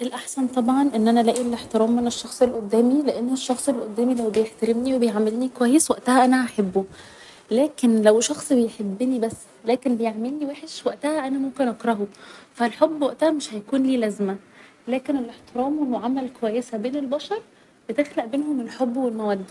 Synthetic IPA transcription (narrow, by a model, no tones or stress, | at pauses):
ʔelʔaħsænt̪ˤɑbʕɑnʔenːʔænælæːʔilʔeħt̪eɾˤɑːmːeneʃːɑxsˤelʔod̪ːæːmileʔenːoʃːɑxsˤelʔod̪ːæːmilæwbejeħt̪æɾemniwebejʕamːelːnikowæjːeswæʔt̪æhæʔænæʔaħabːo | læːkenlæwʃɑxsˤbejħebːnibæsː | læːkenbejeʕmelniweːħeʃwæʔt̪æhæʔænæmomkenʔɑkɾˤɑɦofælħobːwæʔt̪æhæmeʃhæjækuːnliːlæzmæ | læːkenelʔeħt̪eɾˤɑːmwelmoʕamælkowæjːesæbeːnelbɑʃɑɾˤ | b̥et̪exlæʔbeːnhomelħobːwelmæwæd̪ː